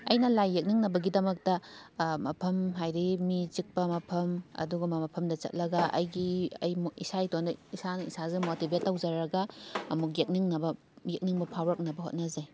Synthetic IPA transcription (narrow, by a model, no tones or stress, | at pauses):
ɐjnɐlajːek̚niŋnɐbɐɡidɐmɐk̚tɐmɐpʰɐmɦajɾimit͡ʃik̚pɐmɐpʰɐmɐ̰duɡɐmɐmɐpʰɐmdɐt͡ʃɐ̰t̚lɐɡɐɐ̰jɡiɐ̰jmisaitondɐisanɐisazumotibʱetːawd͡ʒɐɾɐɡɐɐmuk̬jek̚niŋnɐbɐ | jek̚niŋbɐpʰawɾɐk̚nɐbɐɦo̰t̚nɐzaj